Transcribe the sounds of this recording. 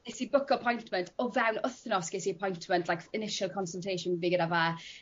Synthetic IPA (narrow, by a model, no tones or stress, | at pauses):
ɪsibʊkʰɔpʰɔjntʰməntʰɔvɛwnʊθnɔsɡ̥ɪsiəpʰɔjntʰməntʰlajkɪnɪʃəlˠkʰɔnsəlˠtʰejʃʊnviːɡədavaː